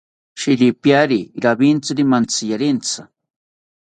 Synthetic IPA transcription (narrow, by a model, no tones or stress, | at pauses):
ʃiɾipjaɾiɾabint͡saɾimant͡sijaɾɪnt͡sa